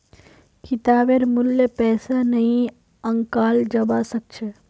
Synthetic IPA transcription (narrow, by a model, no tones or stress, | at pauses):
kɪt̪aːbeɾmʊljepɛːsanɐɦĩ | ɐ̃ŋkaːld͡ʒɐbasɐk̚t͡ʃʰe